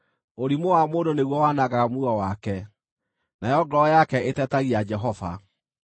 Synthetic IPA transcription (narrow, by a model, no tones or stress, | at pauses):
oɾimowamoːndoneɣwɔwaːnaɣaɣamuɔwakɛ | najɔɡɾɔjakɛʔetɛtaɣiad͡ʒɛɦɔva̰